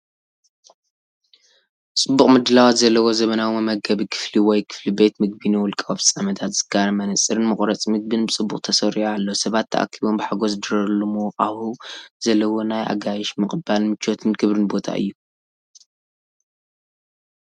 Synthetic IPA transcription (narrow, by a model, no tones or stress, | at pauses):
t͡sʼɨbːuχʼmɨd̪ɨlawat̪zɐlːɐwo̞zɐβɐnawimɨmɐɡɐβikʰɨ̥fliwɔjkʰɨ̥flibe̞t̪mɨɡ̚bɨniwʊlkʼawbsʼamɐt̪ʰat̪z̥ɨɡ̥aɾɐmɐnɐsʼɨɾɨnmɨχʼɾɐt͡sʼmɨɡ̚bɨnbɨt͡sʼɨbːuχʼt̪ʰɐsɐɾialːosɐβat̪ʰːɐ̰ʔa̰kʰːiβo̞mbɨħaɡo̞sd̪ɨɾɐlːumuwqʼaβuz̥ɐlːɐwo̞najʔa̰ɡajɛʃmɨχʼɨbalmɨt͡ʃʰːo̞t̪ʰɨnɡɨβɾɨnbo̞t̪ʰa̰ʔɨ̰jːu